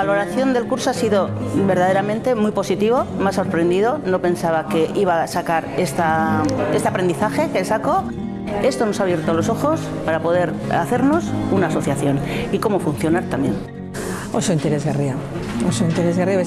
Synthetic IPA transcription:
alo̞ɾaθjo̞nd̪e̞lkuɾsoasiðo̞be̞ɾð̞að̞eɾamẽ̞nt̪e̞mujpo̞sit̪iβo̞maso̞ɾpɾe̞nd̪iðo̞no̞pe̞nsaβake̞ʔiβ̞asakaɾe̞st̪ae̞st̪e̞apɾe̞nd̪iθaxe̞kelsako̞ | e̞st̪o̞no̞saβje̞ɾt̪olo̞so̞xo̞s | paɾapo̞ð̞e̞ɾa̰θe̞ɾno̞sunaːso̞θjaθjo̞niko̞mo̞funθjo̞naɾt̪ambje̞n | osoint̪eɾezɣeriaosoint̪eɾezɣeriaβe

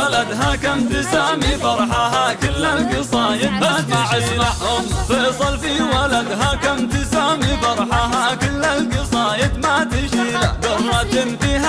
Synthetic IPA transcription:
alad̪ɦakamt̪ɪsaːmifɑɾˤħaɦakɪlːalɡɪsˤɑːjɪd̪̚mat̪ɪʃɪʃnahʊmfejsˤɑlfiwalad̪ɦakamt̪ɪsaːmifɑɾˤħaɦakɪlːalɡɪsˤɑːjɪd̪mat̪ɪʃiːnad̪ɑrˤːɑt̪ɪnfiha

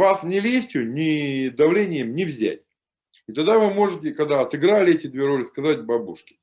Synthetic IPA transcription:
vasnʲɪlʲesʲtʲʊnʲɪd̪ɐvlʲenʲɪjəmnʲɪvzʲæ̰tʲ | ɪt̪ɐɡd̪avɨmo̞ʐɨtʲɪkɐɡd̪aɐt̪ɨɡɾalʲɪɛtʲɪd̪vʲeɾo̞lʲɪskɐzatʲbɐbuʂkʲɪ̥

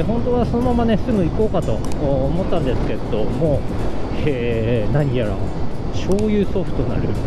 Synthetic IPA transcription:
ɦõ̞nt̪o̞βaso̞no̞mamane̞sɨɡɯ̟iko̞ːkat̪o̞̰ːmo̞t̪ːãnd̪e̞sɨ̥ke̞d̪o̞mo̞ː | e | naɲ̟ijaɾa̰ | ɕo̞ːjɯ̟ːso̞ɸɯ̥t̪o̞na̰ɾɯ̟̰

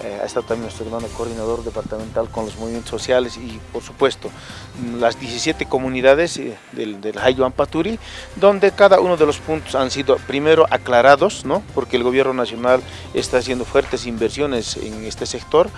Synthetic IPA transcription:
a̰ḛst̪aðot̪amjenwet̪eɾmanokoɾðinaðo̞ɾd̪epaɾt̪ament̪alkonlozmoβimjet̪ososjalesipoɾsu̥pwe̞st̪o | lazd̪jesisjet̪eko̞muniðaðez | d̪ed̪elxajoampat̪uɾid̪o̞nd̪ekaðaunoðelospunt̪o̥sansiðopɾimeɾoʔaklaɾaðosnopoɾkeːlɣo̞βje̞ɾnonasjo̞nal | ḛst̪aːs̬je̞nd̪ofweɾt̪esimbeɾsjonesḛŋest̪esekt̪oɾ

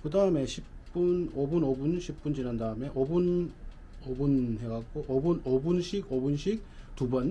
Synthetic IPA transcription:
kɯdaɯme̞ɕʰipp͈unobunobunɕʰip̚p͈und͡ʑinandaɯme̞ʔʌbun | obunɦe̞ɡak̚k͈oʔʌbunobunɕʰiɡobunɕʰik̚tubʌn

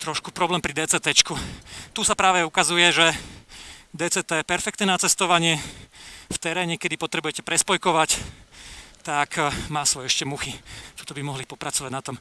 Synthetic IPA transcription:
t̪ɾɔʃkupɾɔblɛːmpɾid̪ɛːt͡sɛt̪ɛt͡ʃkut̪usapɾaːʋɛukazujɛʒɛ | d̪ɛːt͡sɛt̪ɛpɛɾfɛkt̪nɛːnat͡sɛst̪ɔʋaɲɪɛ | ft̪ɛɾɛːɲɛkɛd̪ipɔt̪ɾɛbujɛcɛpɾɛspɔjkɔʋac | t̪akmaːsʋɔjɛɛʃcɛmuxit̪ɔt̪ɔbimɔɦlipɔpɾat͡sɔʋaɟnat̪ɔm

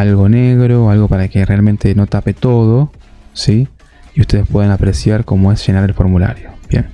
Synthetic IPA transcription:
alɣo̞neɣɾo̞alɣo̞paɾakerealmẽnt̪e̞no̞t̪apet̪o̞ð̞o | si | iust̪e̞ðespwe̞ðanapɾesjaɾko̞moesʒ̥enaɾelfo̞ɾmula̰ɾjobjḛn

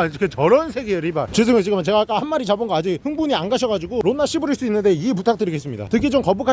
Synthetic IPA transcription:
aɾokʰet͡ɕʌɾʌnsʰe̞ɡeɯɾibaɾt͡ɕɯs̬ʰɯŋɯɭt͡ɕiɡɯmɯt͡ɕe̞ɡak͈ahanmaɾit͡ɕabɯŋɡʌad͡ʑik̚hɯŋbuɲianɡaɕʰʌɡad͡ʑiɡoɾonːaɕʰibɯɾiɭs͈uinːɯnde̞iep̬utʰak̚t͈ɯɾiɡe̞s͈ɯmɲida̰tɯɡet͡ɕomkʌbukʰa

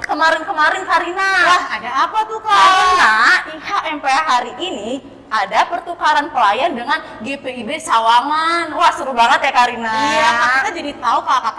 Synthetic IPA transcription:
kəmaɾɪnkəmaɾɪnkaɾinawahadaːpat̪ukanaihaʔɛmpeaɦaɾiʔːni | ʔadapərt̪ukaɾanpəlajandəŋan | ɡepeibesawaŋanwahsəɾubaŋət̪jakaɾinaijakakit̪ad͡ʒadit̪aupakak

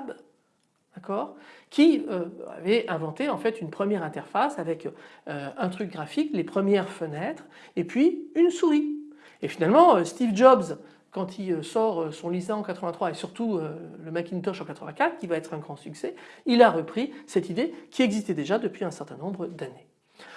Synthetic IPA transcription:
b | d̪akɔʁkʲiøa̰vɛɛ̃vɑ̃t̪eɑ̃fɛt̪ynpχəmjɛʁɛ̃t̪ɛʁfasavɛkøɛ̃t̪χyk̚ɡʁafiklepχəmjɛʁfənɛt̪χ | epɥiynsuʁi | efinalmɑ̃øst̪ivd͡ʒɔbz | kɑ̃t̪ʰiøsɔʁøsɔ̃lizɛ̃ɑ̃kat̪χəvɛ̃t̪χwaesyʁt̪uøləmakʲint̪ɔʃɑ̃kat̪χəvɛ̃kat̪χkʲivaɛt̪χɛ̃ɡʁɑ̃syksɛilaʁəpχisɛt̪id̪ekʰʲiɛɡzist̪ɛd̪eʒad̪əpɥiɛ̃sɛʁt̪ɛ̃nɔ̃bʁəd̪ane

